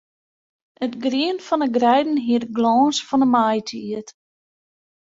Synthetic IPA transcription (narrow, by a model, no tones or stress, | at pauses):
ətɡriənfɔnəɡrɛjdn̩ɦiətɡlɔːnsfɔnəmajtʰiət